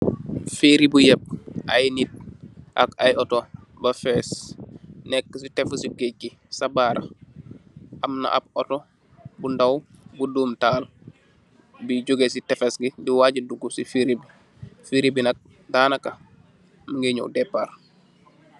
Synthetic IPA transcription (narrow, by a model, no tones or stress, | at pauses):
fiɾibujɛp̚ʔajnit̚ʔa̰kajɔtɔ | bɐfɛːs | nɛkːəsitɛfəsiɡekːi | sabaːɾɐ̰ | ʔɐmna̰ʔa̰b̚ɔtɔ | bundaw | buduːmtaːl | biɟuɡesitɛfesɡidiwaːɟiduɡusifiɾib | fiɾibinɐk̚ | daːnɐkɐ | muŋɡeɲo̰wdɛpːaɾ